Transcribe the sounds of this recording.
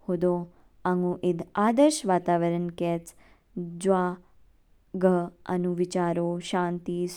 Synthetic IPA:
hod̪o | aŋũʔɪd̪ʱaːd̪əɾʃʋaːt̪aːʋəɾənkɛt͡s | d͡ʒwa | ɡʱəɐ̰nuʋit͡ʃaːɾoʃãːnt̪is

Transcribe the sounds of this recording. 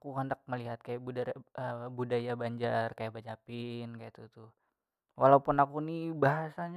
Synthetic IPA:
kuɦandak̚məliɦat̪̚kajaʔbudaəbudajabaɲd͡ʒarkajabad͡ʒapɪnkajat̪ut̪uh | wʔalaupunakunibaɦasaɲ

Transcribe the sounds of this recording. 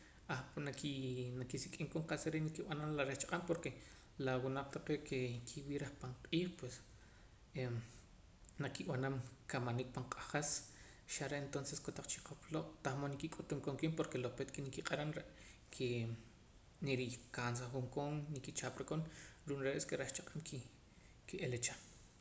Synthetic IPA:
aχnakinakisikʼiŋkoɴqasaɾeʔnikiɓananlaɾeht͡ʃḁqʼampoɾke | lawunaq͡χt̪aqeʔkekʰiwiːɾaχpaɴqʼiːχpwes | e | nakiɓanamkamanik̚paɴqʼaχas | ʃaɾeʔent̪onseskot̪aq͡χt͡ʃi̥qʰoploʔt̪aχmonikikʼut̪umkoŋkimpoɾkelopet̪kinikiqʼaɾanɾeʔ | kʰe | neɾikans̬aχuŋkoŋnikit͡ʃaːpɾekonɾuːnɾeʔeskeɾaht͡ʃaqʼamki | kiʔelet͡ʃa

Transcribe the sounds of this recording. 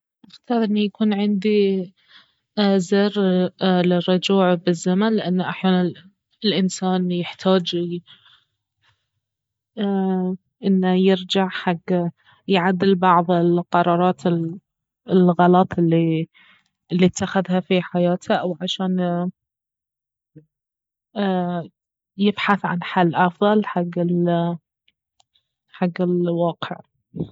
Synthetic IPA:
ʔaxt̪ɑːɾˤʔɪnːajakuːnʕɪnd̪i | zɪrlɪrˤːʊd͡ʒuːʕbɪzːamanlɪʔanːaʔaħjaːna | ɪlʔɪnsaːnjɪħt̪ʰaːd͡ʒ | ʔɪnːajɪɾd͡ʒaʕħaɡː | jʕad̪ːɪlbɑʕðˤɪlqɑɾˤɑːɾˤɑːt̪ʰɪ | ɪlɣɑlɑt̪ˤɪlːi | ɪlːit̪ːaxaðhafiħajaːt̪ʰaʔawʕaʃaːn | jɪbħaθʕa̰nħalːʔɑfðˤɑlħaɡːɪl | ħaɡːɪlwɑːqɪ̰ʕ

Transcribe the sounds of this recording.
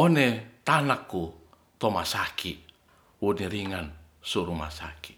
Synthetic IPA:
onet̪anakːu | t̪omasakʰi | uniɾiŋan | suɾuma̰saki

